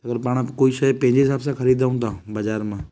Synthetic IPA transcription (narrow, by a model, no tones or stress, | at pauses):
ɐɡəɾpaːɽ̃ãkoːiʃɐjpə̃ɦɪ̃ɲd͡ʑeɦɪsaːbsãkʰəɾiːd̪aːʊ̃nt̪d̪ãbɐd͡ʒaːɾmãː